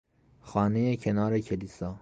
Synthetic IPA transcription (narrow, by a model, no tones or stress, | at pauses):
xɒːnejecʰenɒːɾekʰeliːsɒː